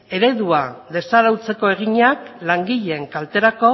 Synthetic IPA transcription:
e̞ɾe̞ðuaðe̞saɾawt͡se̞ko̞e̞ɣ̞iɲaklaŋɡiʎe̞ŋkalt̪e̞ɾako̞

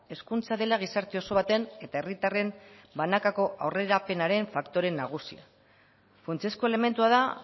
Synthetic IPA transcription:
e̞skunt͡saðe̞laɣ̞isaɾt̪eo̞so̞β̞at̪e̞ne̞t̪ae̞rit̪are̞mbanakako̞ʔawre̞ɾape̞naɾe̞ɱfakt̪o̞ɾe̞nːaɣ̞usia̰ | funt͡sesko̞e̞le̞me̞nt̪uaða

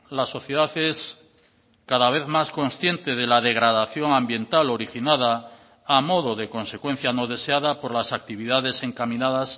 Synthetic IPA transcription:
laso̞θje̞ð̞aθes | kaðaβ̞e̞θmasko̞nsθje̞nt̪eð̞e̞laðe̞ɣ̞ɾaðaθjo̞ŋãmbjẽ̞nt̪alo̞ɾixinað̞aː | mo̞ðoðe̞ko̞nsekwe̞n̟θjano̞ðe̞seaðapo̞ɾlasak̚t̪iβ̞iðaðe̞se̞ŋkamĩnaðas

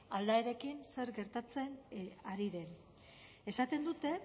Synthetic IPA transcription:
ald̪aeɾe̞kinse̞ɾɡe̞ɾt̪at͡se̞naɾiðe̞n | e̞sat̪e̞nd̪ut̪e̞

